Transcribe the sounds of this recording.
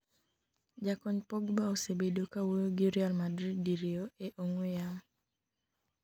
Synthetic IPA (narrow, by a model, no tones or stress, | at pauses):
d͡ʒakɔɲpɔɡbaosebedokawojoɡiɾjalmadɾiddiɾioeʔoŋwejaŋ